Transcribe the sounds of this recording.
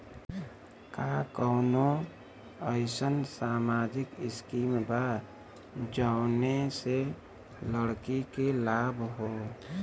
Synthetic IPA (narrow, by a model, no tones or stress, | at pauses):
kaːkɔːno | əɪsənsaːmaːd͡ʒɪkɪskiːmbaː | d͡ʒaʊnese | ləɽkikelaːbʱɦoː